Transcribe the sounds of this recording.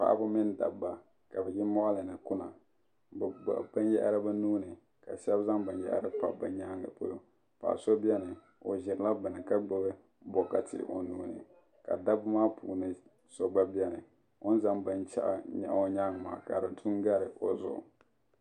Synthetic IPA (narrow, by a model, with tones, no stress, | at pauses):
pa̰˨ʔbʊ˦mɪ˦nda̰˨bːa˨ | ka˨bɛ˨jɪ˦mɔ˦ʔa˦lɨ˨nɨ˨kʊ˦na̰˨ | bɡ͡ba̰˨ba˦njɛ̰˦ʔɾɨ˦ba˦nuː˦nɨ˨ | ka˨ʃɛ˦bza˦ŋba˨njɛ̰˦ʔɾɨ˦pa̰˨ba˨ɲa˦ŋɨ̰˨po˦lo˦ | pa̰˨ʔso˦bi˦ɛ˦nɨ˨ | o˨ʒɪ˨ɾla˦bɨ˨nɨ˨ka˦ɡ͡bɨ˦bɨ˦ | bɔ˨ka˨tɪ̰˨ʔo̰˨nuː˦nɨ̰˨ | ka̰˨da˦bmaː˦pʰṵː˨nɨ˦ | so˨ɡ͡ba˦bi˦ɛ˦nɨ˨ | ʊ˦n˦za˦ŋba˨nt͡ʃa̰˦ʔɲa̰˨ʔo˦ɲa˦ŋa˨ma̰ː˨ka˨ɾɨ˨ntʰu˦ŋɡa˦ɾɨ˨ʔo˨zʊ̰˨ʔʊ̰˨